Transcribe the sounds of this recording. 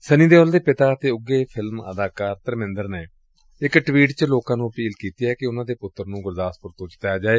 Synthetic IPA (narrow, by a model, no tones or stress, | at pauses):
sənĩːd̪eːɔːld̪eːpɪt̪aːət̪eːʊɡeːpʰɪlmə̰d̪aːkaːɾt̪əɾmɪ̃nd̪əɾneː | ɪkʈʋiːʈt͡ʃəloːkãːnũːpiːlkiːt̪iːɦɛːkɪʊnãːd̪eːpʊt̪ːəɾnũːɡʊɾd̪aːspʊɾt̪õːt͡ʃt̪ajaːd͡ʒaːeː